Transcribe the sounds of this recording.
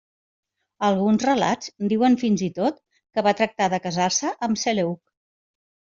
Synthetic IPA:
əlˠɣunzrəla̰d͡zd̪iwənfinzit̪ot̪ | kəβat̪ɾək̚t̪aðəkəzarsəʔəmseleuk̚

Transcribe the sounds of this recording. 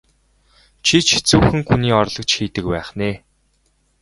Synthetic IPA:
t͡ɕʰit͡ɕʰe̥t͡suːxɘ̆ŋxuniːɔrɮɞ̆k̚t͡ɕxiːt̪ɘ̆k̚pæːχneː

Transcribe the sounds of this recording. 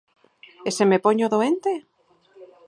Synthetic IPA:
esemepoɲoðoent̪e

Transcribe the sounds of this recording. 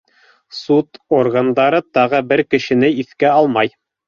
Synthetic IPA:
sut̪orɡand̪ɑɾɤt̪ɑʁɤbɘɾkɘ̆ʃɘ̆nɘiθkæɑlˠmɑj

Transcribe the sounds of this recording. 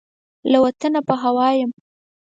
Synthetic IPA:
lawat̪ənapəɦawɑjəm

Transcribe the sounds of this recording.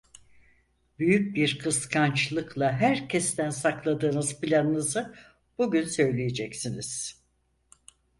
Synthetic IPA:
byjyc̚biɾkʰɯskʰant͡ʃlˠɯklˠaɦæɾcʰɛst̪ʰænsaklˠad̪ɯːnɯzpʰilʲanɯnɯzɯ | buɟynsø̞jlʲejed͡ʒɛcsiniz̥

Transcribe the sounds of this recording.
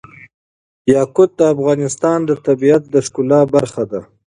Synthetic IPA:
jɑkʊt̪̚d̪əafɣɑnɪst̪ɑnd̪ət̪abiat̪̚d̪əʃkʊlɑbaɾxad̪a

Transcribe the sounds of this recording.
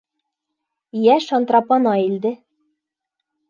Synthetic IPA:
jæʃɑnt̪rɑpɑnɑild̪ɘ

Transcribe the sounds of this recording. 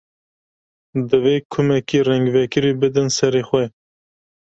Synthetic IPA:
d̪ɨveːkʰʊmɛkiːrɛŋɡvɛkɨɾiːbɨd̪ɨnsɛɾeːxwɛ

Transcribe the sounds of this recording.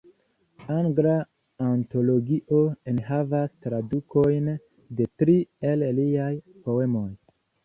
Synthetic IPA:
aŋɡlaː | nto̞lo̞ɡiʔoenɦavastɾaduko̞jn | de̞tɾie̞lliaj | po̞e̞mo̞j

